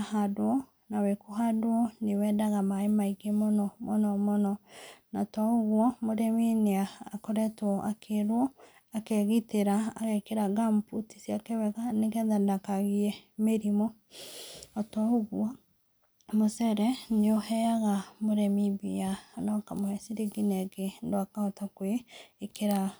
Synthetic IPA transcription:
ahadoɔ | nawɛkoɦadoɔnewɛːdaɣamaemaiɣemonɔmɔnɔmɔnɔnatɔoɣwɔmoɾɛmineaːkoɾɛtwɔʔakʰeɾwɔ | akɛɣiteɾaaɣekeɾaɣamputisjakɛwɛɣanekɛðandakaɣiɛmeɾimɔ | ɔtɔoɣwɔ | mosɛɾɛneohɛjaɣamoɾɛmibḭanɔkamohɛsiɾiɡinɛɡendoakaɔtakweːkeɾa

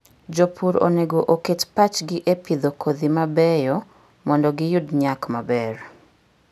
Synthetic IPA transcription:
d͡ʒopuɾo̰neɡoʔoketpat͡ʃɡɪʔepid̪okʰod̪imabɛjɔ | mɔndɔɡɪjʊdɲakmabɛr

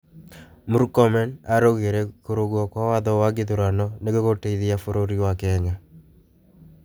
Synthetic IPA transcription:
muɾkɔmɛnaɾoɣeɾekoɾoɡɔkwawaðɔwaɡɪðuɾanɔneɡokoteiðiafoɾoɾiwakɛɲa

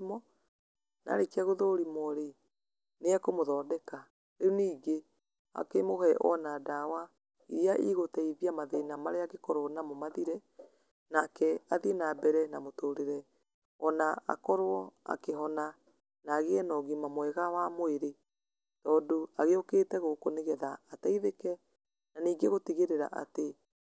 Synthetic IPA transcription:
mɔ | na̰ɾekɛɣoðoɾimɔɾe | neakomoðɔːdɛka | ɾeoniːɡe | a̰kemoɦɛʔɔ̰nadawa | iɾiaʔiɣotɛiðiamaðenamaɾeakekɔɾoɔnamomaðiɾɛ | nakɛaðienabɛɾɛnamotoɾeɾɛ | ɔnaa̰kɔɾwɔa̰keɦɔna | naɣeɛnɔɣimamwɛɣawamoeɾe | tɔːdoaɣeokeːtɛɣokoneɣɛðaːtaiðekɛ | naniːɡeɣotiɣeɾeɾa̰ʔa̰te

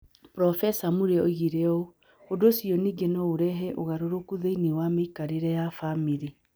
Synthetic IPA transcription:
pɾɔfɛsamuɾeoɣiɾeɔ | hodosiɔniːɡenɔoɾɛɦɛʔoɣaɾoɾokuðeinewameikaɾeɾɛjafamiɾi

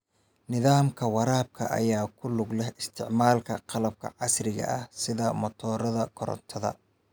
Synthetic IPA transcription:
nɪðaːmkʰɐwɑɾaːb̚kʰɐ̰ʔɐ̰jaːkʰʊlʊɡlɛhɪst̪ʰɪʕmaːlkʰɐqɑlɐb̚kʰɐ̰ʕɑsrɪɣɐ̰ʔɐhsɪðɐmɔt̪ʰɔːɾɐðɐkʰɔɾɔ̰nt̪ʰɐðɐ̰

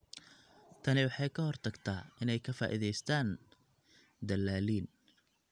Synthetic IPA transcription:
t̪ʰɐnɪwɑħɑjkʰɐhɔrt̪ʰɐɡt̪ʰaːʔɪnɛjkʰɐfa̰ːʔḭðɛjst̪ʰaːn | d̪ɐlːaːliːn

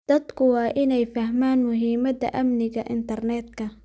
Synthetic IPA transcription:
d̪̥ɐd̪kʰʊwɑːʔɪnɛjfɐhmaːnmʊɦiːmɐd̪ɐ̰ʔɐmnɪɣɐʔɪ̰nt̪ʰɐrnɛːd̪kʰɐ

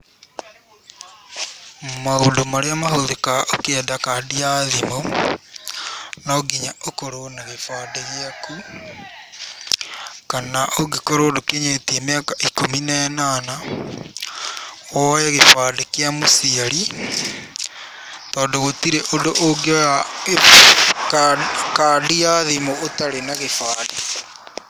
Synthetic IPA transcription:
maɣodomaɾeamahoðekaokɛdakadiaðimo | noɡiɲaokoɾonaɣefadeɣjaku | kanaʔoɡekoɾoːdokeɲetiemeakaʔikominenana | wɔjɛɣefaːdekjamosiaɾi | tɔːndoɣotiɾeʔodoʔoɡea | kkaːdiaðimootaɾenaɣefaːde

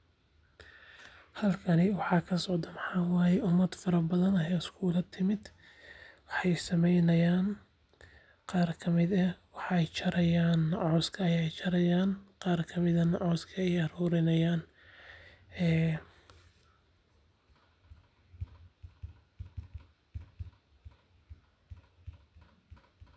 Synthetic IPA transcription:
hɐlkʰɐnɪwɑħɑːkʰɐsɔʕd̪ɐmɑħɑːwɑːjɛʔʊmːɐd̪fɐɾɐbɐðɐnɦɛːɪskʰuːlɐt̪ʰɪmɪd̪ | wɑħɑjsɐmɛjnɐjaːn | qɑːrkʰɐmɪd̪ɐwɑħɛjt͡ʃʰɐɾɐjaːnːʕɔːskʰɐːjɛjt͡ʃʰɐɾɐjaːnqɑːrkʰɐmɪðɐnɐʕɔːskʰɐɛjɐɾuːɾɪnɐjaːn | ɛː

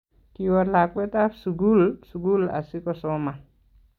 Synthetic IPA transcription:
kiwɔɾlakwɛt̪afsuɡulsuɡula̰sikɔsɔma

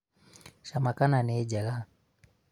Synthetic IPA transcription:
ʃamakananɛd͡ʒala

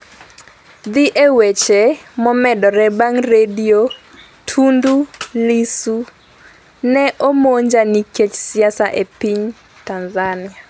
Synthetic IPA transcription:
d̪ɪʔewet͡ʃemɔmɛdɔɾɛbaŋredio | tʰundulisu | nɛʔomoɲd͡ʒaniket͡ʃsɪasaʔepiɲ | tanzanɪa

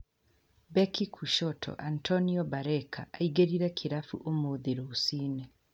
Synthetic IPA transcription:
bɛkikʰuʃɔtʰɔ̰ʔantʰɔniɔbaɾɛkʰa̰ʔaiɡeɾiɾɛkʰiɾafṵʔomoːðeɾoosinɛ

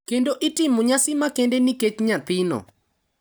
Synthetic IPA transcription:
kendoʔitɪmuɲasɪmakendeniket͡ʃɲat̪ɪnɔ̰

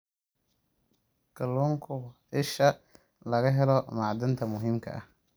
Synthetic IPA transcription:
kʰɐlːuːŋkʰʊ | ɪʃɐ | lɐɣɐɦɛlɔmaːʕd̪ɪnt̪ʰɐmʊɦiːmkʰɐ̰ʔɐh

